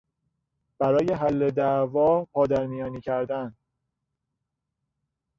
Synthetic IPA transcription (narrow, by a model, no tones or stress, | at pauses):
b̥æɾɒːje̞ɦælːed̪ævɒːpʰɒːd̪æɾmijɒːniːcʰæɾd̪æn